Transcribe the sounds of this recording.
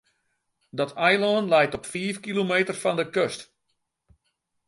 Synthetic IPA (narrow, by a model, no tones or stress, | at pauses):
dɔtɛjloːnlɛjtɔpfiəfkilomeːtərfɔndəkøst